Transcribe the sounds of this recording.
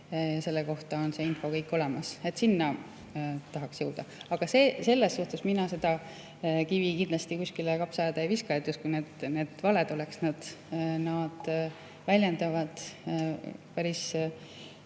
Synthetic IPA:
jɑse̞lːeko̞ht̪ɑo̞nse̞ːinfo̞kɤ̞jkːˑo̞le̞mɑse̞t̪ːsinːɑ | t̪ɑɦɑksjɤwd̪̥ɑɑɡ̥ɑsese̞lːesːuht̪esminɑse̞d̪̥ɑ | kivikind̪lɑst̪ikuskilekɑpsɑjed̪̥ɑjviskɑjet̪ːjuskujned̪ne̞d̪̥vɑle̞d̪o̞le̞ksnɑd̪̥nɑd̪̥ | vælʲjend̪ɑvɑd̪̥ | pæɾis

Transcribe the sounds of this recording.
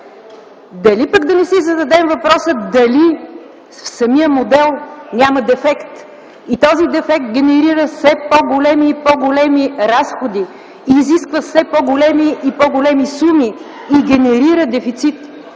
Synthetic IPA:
d̪ɐlipəɡd̪ɐnɛsizɐd̪ɐd̪ɛmvɐpɾɔsəd̪ɐli | fsɐmijəmod̪ɛlˠnʲamɐd̪ɛfɛkt̪ | it̪ɔzid̪ɛfɛk̚t̪̚ɡʲɛnɛɾiɾəfsɛpɔɡolɛmiːpɔɡolɛmiɾasxod̪i | iːziskvəfsɛpoɡolɛmiipɔɡolɛmisumiː | ɡʲɛnɛɾiɾəd̪ɛfit̪sit̪

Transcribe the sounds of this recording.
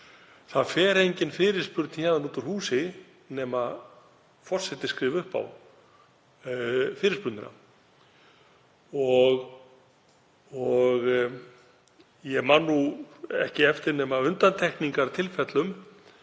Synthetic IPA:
θaðfɛːɾejɲcɪnfɪːɾɪɾ̥spʏɾt̪nçaðanuːt̪ʏɾ̥huːsɪ | nɛːma | fɔr̥sɛt̪ɪskɾɪːvʏhpa̰w | fɪːɾɪ̥ɾspʏɾt̪nʏna̰ | ɔɣ | ɔɣ | jɛmanːuɛ̰hcɪɛft̪ɪɾnɛːmaʏnt̪ant̪ʰɛhkniŋkaɾt̪ʰɪlfɛt̪lʏm

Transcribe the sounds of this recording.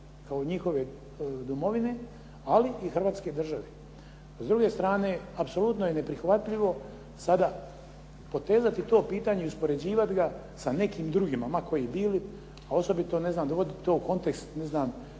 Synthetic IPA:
kao̞ɲixo̞ʋe̞ | d̪umo̞ʋine̞ | aliixr̩ʋaːt̪ske̞d̪r̩ʒaʋe | zd̪ɾuɡe̞st̪ɾaːne̞ːapso̞lut̪nojene̞pɾixʋat̪ʎiʋo̞ | sad̪a | po̞t̪e̞ːzat̪it̪o̞ːpiːt̪aːɲeiuspo̞ɾe̞d͡ʑiːʋat̪ɡa | sane̞kiːmd̪ɾuɡimamako̞jiːbiːli | ao̞so̞bit̪o̞ne̞znaːmd̪oʋo̞d̪it̪o̞ːuko̞nt̪ekst̪ne̞znaːm

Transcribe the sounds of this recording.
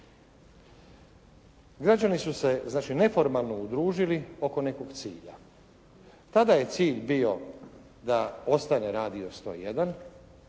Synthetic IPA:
ɡɾad͡ʑanisuse̞znaːt͡ʃine̞fo̞ɾmalˠno̞ud̪ɾuːʒilio̞ko̞ne̞ko̞ɡt̪siːʎa | t̪ad̪aje̞t̪siːʎbio̞ | d̪ao̞st̪aneɾaːd̪io̞st̪o̞̰jed̪an

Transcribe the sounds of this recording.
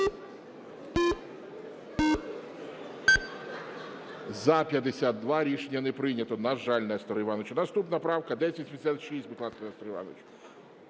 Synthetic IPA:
zɐpʲjɐd̪esʲat̪̚d̪ʋɑɾʲiʃenʲːɐnɛpɾɪnʲɐt̪ɔnɐʒɑlʲnɛst̪ɔɾjʋɑnɔt͡ʃʊnɐst̪upnɐpɾɑwkɐd̪ɛsʲɐit̪ʲmʲd̪esʲat̪ʃisʲtʲbɪklˠɑt̪k̪ɔnɛst̪ɔɾjʋɑ̰nɔ̰t͡ʃ

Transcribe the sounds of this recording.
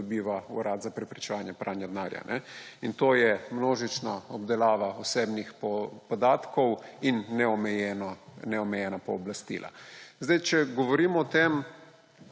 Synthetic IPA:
ɔbiːʋaṵɾad̪zapɾɛpɾit͡ʃɛʋaːnjɛpɾʔanjad̪naːɾja̰nʔɛint̪oːjɛmnoːʒit͡ʃnaɔbd̪ɛlaːʋaɔseːbnixpɔpɔd̪aːt̪kɔwinːɛɔmɛjɛnnɛɔmɛjɛnapɔːblast̪ḭlʔa̰zd̪ajt͡ʃɛɡɔʋɔɾiːmɔːt̪em

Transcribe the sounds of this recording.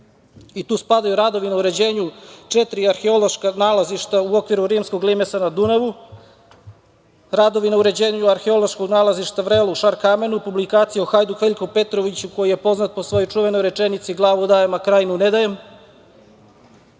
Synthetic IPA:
it̪uːspad̪ajuɾad̪o̞ʋinauɾe̞d͡ʑeːɲut͡ʃet̪ɾiaɾxeoloʃkanaːlaziʃt̪auo̞kʋiɾuɾiːmsko̞ɡlimesanad̪unaʋu | ɾad̪o̞ʋinauɾe̞d͡ʑeːɲuaɾxeo̞lˠoʃkoɡnaːlaziʃt̪aʋɾeluʃaɾkame̞nupublikaːt̪sijauxajd̪uxʋeʎkope̞t̪ɾoʋit͡ɕuko̞jije̞po̞znat̪̚po̞sʋo̞jojt͡ʃuʋe̞no̞jɾet͡ʂenit̪siɡlˠaːʋud̪ajemakɾaːjnuned̪ajem

